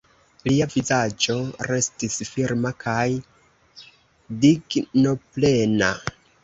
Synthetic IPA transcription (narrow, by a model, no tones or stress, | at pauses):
liavizad͡ʒo̞ɾe̞stisfiɾmakʰaj | diɡno̞ple̞na